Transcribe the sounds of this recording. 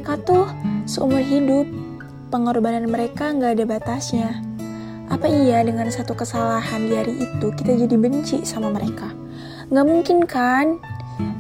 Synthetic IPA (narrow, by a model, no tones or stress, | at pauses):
kat̪ʊhsəumʊrɦidʊpː | əŋɔrbananməɾekaŋɡaːdabat̪asɲa | ʔapaijadəŋansat̪ukəsalahandiaɾiʔːt̪ukit̪ad͡ʒadibəɲt͡ʃisamaməɾeka | ŋɡaʔmuŋkɪnkan